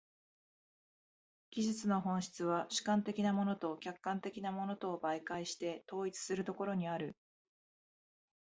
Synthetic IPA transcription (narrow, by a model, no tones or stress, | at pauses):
ɡʲiʑɨt͡sɨno̞ɦõ̞ɰ̃ɕi̥t͡sɨβ̞aɕɨ̥kãnt̪e̞kʲinamo̞no̞t̪o̞kʲakːãnt̪e̞kʲinamo̞no̞t̪o̞ːbaikaiɕi̥t̪e̞t̪o̞ːit͡sɨ̥sɨɾɯ̟t̪o̞ko̞ɾo̞ɲ̟iaɾɯ̟